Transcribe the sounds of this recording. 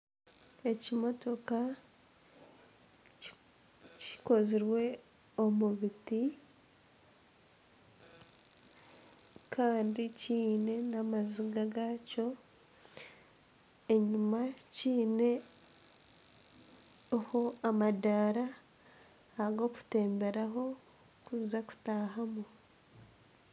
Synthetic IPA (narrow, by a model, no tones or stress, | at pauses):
e̞cimo̞to̞ka | ci̥ko̞ziɾwe̞ | omuβiti | kʰaːndiciːne̞namaziɡaɡaco̞ | e̞ɲumaciːne̞ | ohoamadaɾaː | ɡo̞ku̥te̞ːmbe̞ɾaɦo̞ | kuzizaku̥taːɦamu